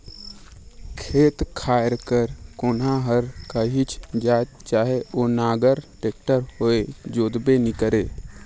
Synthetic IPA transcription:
kʰeːt̪kʰaːɾkəɾkoːnãɦəɾkəɦit͡ʃʰd͡ʒaːt̪t͡ʃaːɦeoːnaːɡəɾʈeːk̚ʈəɾɦoed͡ʒoːd̪benɪkəɾeː

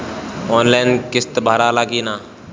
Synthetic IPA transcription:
ɔːnlaːnkɪst̪bʱaːɾaːlaːɡiːnaː

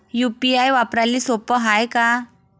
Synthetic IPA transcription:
jupiajʋapɾalːiːsopəɦajka

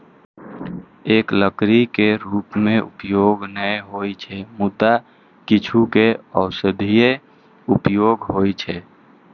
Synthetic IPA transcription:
eːkləkɾikeɾuːpmẽʔṵpjoɡnəjɦojt͡ʃʰɛmut̪a | kit͡ʃʰukeəʊsəd̪ʱije | upjoɡɦojt͡ʃʰɛ

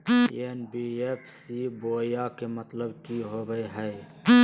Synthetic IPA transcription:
enbiepʰsiboːjjakemət̪ləbkiɦobəjɦəj

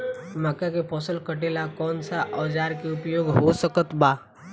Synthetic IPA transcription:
məkakepɔːsəlkəʈeːlakɔːnsaʔɔːd͡ʒaːɾkeʊpjoːɡɦosəkət̪baː

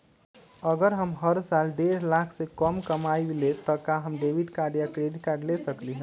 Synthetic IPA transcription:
əɡəɾɦəmɦəɾsalɖeɾ̤lakʰsekəmkəmaiblet̪əkaɦəmɖebiʈkaɾɖijakɾeɖiʈkaɾɖlesəkliɦɛ̃

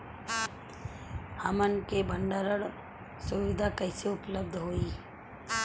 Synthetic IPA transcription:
həmənkebəɳɖəɾəɽ | sʊʋɪd̪ʱakəɪseʊpləb̚d̪ʱɦoːiː

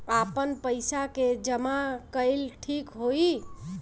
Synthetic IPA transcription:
apənpəɪsaked͡ʒəmakəɪlʈʰikɦoi

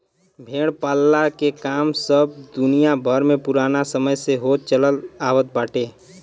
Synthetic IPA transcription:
bʱeɽpalːakekaːmsəb̚d̪unijabʱəɾmepuɾanasəməjseɦot̪̚t͡ʃələlawət̪̚baʈe

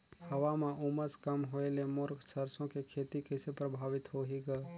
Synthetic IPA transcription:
həʋameʔuməskəmɦoelemoɾksʰəɾsõkekʰet̪ikəsepɾəbʱaʋit̪ɦoɦiɡə

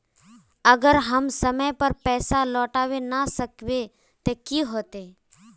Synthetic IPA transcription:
əɡəɾɦəmsəməjpəɾpɛːsalɔːʈaːʋenasəkʋe | t̪ekiɦoːt̪e

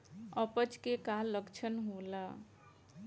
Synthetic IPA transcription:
əpət͡ʃkekalːəkt͡ʃʰənɦola

